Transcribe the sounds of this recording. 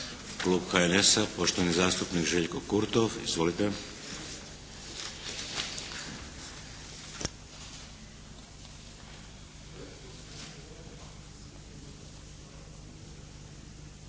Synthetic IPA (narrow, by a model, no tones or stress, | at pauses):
kluːbxaenesapo̞ʃt̪oʋanizaːst̪upniːkʒeʎkokuɾt̪ofḭzʋolit̪e